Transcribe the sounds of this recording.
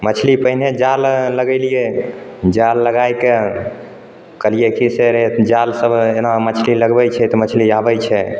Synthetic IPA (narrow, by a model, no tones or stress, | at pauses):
mət͡ʃʰlipəɦined͡ʒalːəɡɛlijed͡ʒalːəɡajke | kəlijekiseɾed͡ʒalsəbʱenamət͡ʃʰliləɡbɛt͡ʃʰɛt̪ɔmət͡ʃʰliabɛjt͡ʃʰɛ